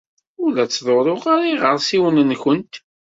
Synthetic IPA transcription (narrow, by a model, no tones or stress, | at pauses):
ʊlæt͡sːðˤoɾˤoʁaɾiʁəɾˤsiwənənçənt̪